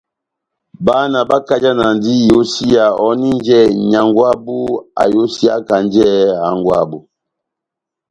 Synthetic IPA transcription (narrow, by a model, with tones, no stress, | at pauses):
ba˦na˨ba˦ka˦d͡ʒa˦na˨ndi˦jo˦si˦a˨ɔ˨˦ni˦n˦d͡ʒɛ˦˨ɲa˨ŋɡwa˦bu˦a̰˨jo˦si˦a̰˦ka˨n˦d͡ʒɛ˦a˨˦ŋɡwa̰˦˨bu˨